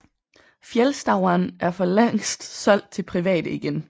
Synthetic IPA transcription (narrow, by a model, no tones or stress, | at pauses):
fjelsd̥ɑ̈ʊɐnæɐfɒ̽leŋ̰sd̥sɒ̽l̰d̥̚t͡sʰe̝lpʰʁiʋɛ̰ːd̥əiɡ̥en